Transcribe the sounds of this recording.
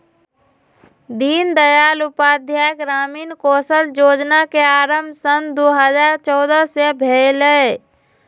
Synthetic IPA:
d̪iːnd̪əjaːlʊpaːd̪ʱjajəkɾaːmiːnkoːsəld͡ʒoːd͡ʒnakeaːɾəmbʱsənd̪oɦəd͡ʒaːɾt͡ʃɔːd̪əsebʱeləe

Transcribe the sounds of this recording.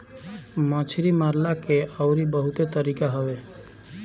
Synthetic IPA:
mãt͡ʃʰɾimaɾlakeəʊɾibəɦut̪et̪əɾikaɦɔbe

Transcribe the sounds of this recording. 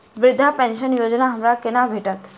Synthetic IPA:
ʋɾɪd̪ʱːapɛ̃nʃənjod͡ʒnaɦəmɾakɪnabʱeʈat̪

